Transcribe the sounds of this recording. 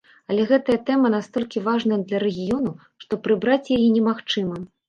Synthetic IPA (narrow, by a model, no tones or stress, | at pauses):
ɐlʲɛɣɛt̪ɐjɐt̪ɛmɐnast̪ɔlʲkʲivaʐnɐjɐd̪lʲɐɾɛɣʲijɔnu | ʂt̪ɔpɾɨbɾat͡sʲjajinʲɛmaxt͡ʂɨmɐ